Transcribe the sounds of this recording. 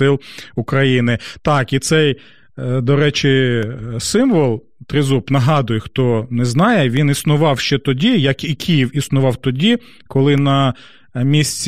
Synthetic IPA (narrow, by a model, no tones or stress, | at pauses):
ɪlˠʊkɾɐjinɪt̪ɑkit̪sɛj | d̪ɔɾɛt͡ʃɪsɪmʋɔlˠ | t̪ɾɪzupnɐɦɑd̪ʊjɛxt̪ɔnɛznɑjɛʋʲinisnʊʋɑwʃt͡ʃɛt̪ɔdʲijɐkikʲʰijiwisnʊʋɑwt̪ɔdʲi | kɔlˠɪnɐ | mʲisʲt͡sʲ